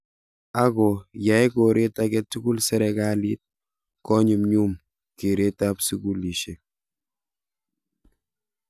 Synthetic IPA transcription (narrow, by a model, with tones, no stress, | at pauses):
a˦kɔ˨ja˨˦jko˨ɾe˦takɛtu˦ɡu˦lsɛ˦ɾɛkali˦t̚ | kɔ˦ɲi˨mɲu˦m | ke˨ɾe˦ta˦psu˦ku˦li˨ʃe˨